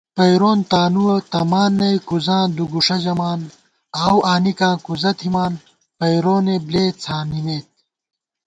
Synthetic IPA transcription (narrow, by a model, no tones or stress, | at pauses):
pɐjɾoːnt̪aːnuwɐt̪ɐmaːnːɐjkuzãːd̪uɡuʂɐd͡ʑɐmaːn | ɐwʔaːnikãːkuzɐt̪ʰimaːn | pɐjɾoːneːbleːt͡sʰaːnimeːt̪̚